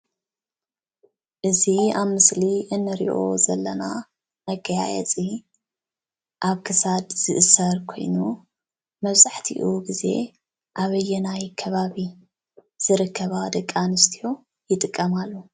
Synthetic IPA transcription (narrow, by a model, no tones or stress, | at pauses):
ʔɨziaβmɨsliʔɨnːɨɾḭʔo̞̰zɐlːɐna | mɐɡɐja̰jɛ̰t͡sʼi | ʔaβkʰɨsad̪z̥ɨʔɨsɐɾkʰo̞̰jnu | mɐβzaħt̪ʰḭʔuɡize̞̰ | ʔaβɐjːɛnajkʰɐβaβi | z̥ɨɾɨkʰːɐβad̪ɐkʼːanɨst̪ʰijo | jɪt̪ʼɨkʼːɐmalːu